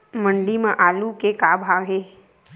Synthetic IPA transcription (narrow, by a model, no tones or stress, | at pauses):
məɳɖimãʔaːlukekabʱaɽe